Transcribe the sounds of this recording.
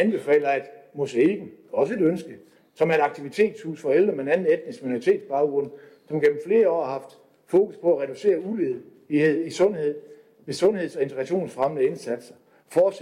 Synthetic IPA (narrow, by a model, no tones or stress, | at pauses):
ænb̥e̝fɛ̰ːlɐæd̥mɔ̽səelɡ̥n̩ɒ̽səe̝ɾønsɡ̥ə | sɒ̽mæɐeɾɑ̈ɡ̥̚t͡sʰiʋit͡sʰe̝̰ːd̥shṵːsfɒ̽eld̥ʁɐmenæn̩ˠed̥nisɡ̥̚minoʁit͡sʰe̝̰ːd̥sb̥ɑ̈ʊɡ̥ʁɔ̽n̰ | sɒ̽mɡ̥em̰m̩fle̝ːɐɒ̰ːhɑ̈hɑ̈fd̥ | fo̝ːkuspʰɒ̽æʁɛɾ̥use̝̰ːɐuleðˠ | ihe̝ð̰ˠisɔ̽nhe̝ð̞̰ˠ | ʋe̝sɔ̽nhe̝ð̞̰ˠsɒ̽e̝nt͡sʰeɡ̥ʁɑɕo̝̰ːnsfʁamənəe̝nsæd̥sɐ | fɒ̥ːs